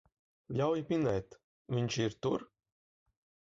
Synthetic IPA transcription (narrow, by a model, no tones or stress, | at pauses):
lʲawjpʲinɛjt̪ | vʲiɲʲt͡ʃiɾt̪uɾ